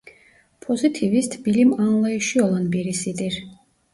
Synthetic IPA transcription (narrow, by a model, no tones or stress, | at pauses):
pʰɔzit̪ʰivist̪ʰb̥ilimanlˠɛiʃiɔlˠanbiɾisid̪ʼiɾ